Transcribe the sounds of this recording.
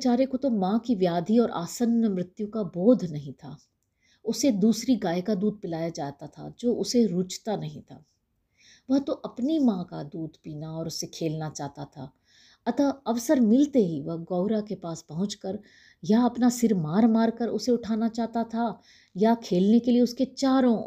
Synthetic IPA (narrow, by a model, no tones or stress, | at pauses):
t͡ʃaːɾekot̪omãːkiʋjaːd̪ʱiɔːɾʔa̰ːsənjəmɾɪt̪jũkaboːd̪ʱnɐɦĩt̪ʰaː | ʊsed̪uːsɾiɡaːjkad̪uːd̪̚ʱpɪlaːjad͡ʒaːt̪at̪ʰa̰d͡ʒoːʔʊseɾʊt͡ʃt̪anɐɦĩt̪ʰa̰ː | ʋɐɦt̪oʔɐpnimãːkad̪uːd̪ʱpiːnaɔːɾʊsːekʰeːlnat͡ʃaːɦt̪at̪ʰa̰ː | ɐt̪aɐʋsəɾmɪlt̪eɦiʋɐɦɡɔːʊɾakepaːspɐɦʊ̃t͡ʃkəɾ | jaɐpnasɪɾmaːɾmaːɾkəɾʊseʊʈʰaːnat͡ʃaːɦt̪at̪ʰa | jakʰeːlnekelieʊsket͡ʃaːɾõ